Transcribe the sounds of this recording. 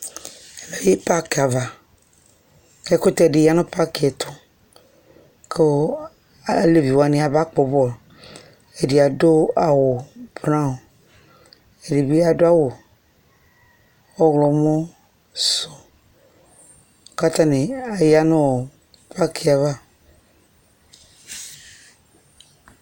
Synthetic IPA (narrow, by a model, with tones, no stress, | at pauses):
e˨le˨˦˨je˦pa˦ke˨a˨va˨ | ke˦ko˦t̪e˦e˨ɖi˨ja˦nõ˦pa˦ki˨ɛ˨t̪ʰɔ˦ | ke˦ | le˦vi˨wa˨nĩ˨a˨ba˦k͡po˨bɔ˦˨l | e˨di˨a˨do˦a˨wo˨bɾã˦wo˨ | e˨di˨bi˦a˨do˦a˦wo˨ | wo˦ɣlɔ˨˦mɔ̃˦ | so˨ | o˦ka˦t̪ã˦nẽ˨e˨ja˦nɔ̃˦o˨ | pʰa˦kʰi˨a˨va˦